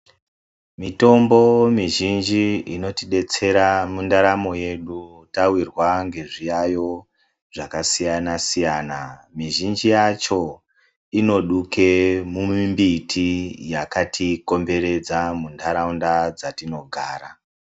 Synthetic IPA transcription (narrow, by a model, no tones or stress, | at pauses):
mito̞mbo̞miʒind͡ʒiino̞tiɗe̞t͡se̞ɾamundaɾamo̞je̞ɗutawirwaŋɡe̞ʐijajo̞ | ʐakasijanasijanamiʒind͡ʒijat͡ʃo̞ | ino̞ɗuke̞mumimbitʰijakatʰiko̞mbe̞ɾe̞d͡zamundaɾaundad͡zatino̞ɡʱaːɾa